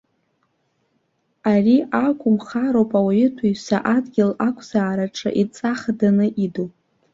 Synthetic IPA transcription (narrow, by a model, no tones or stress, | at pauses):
ariʔakʷʼʊmχaɾowpʼawaɪtʰaisa̰ʔadɡʲɪlakʷʼʰz̥aːɾaʈ͡ʂʰa̰ʔit͡sʼaχadanɨʔidopʼ